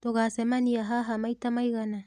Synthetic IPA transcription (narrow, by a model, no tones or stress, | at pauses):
toɡasemaniaɦaɦamajtamajɣana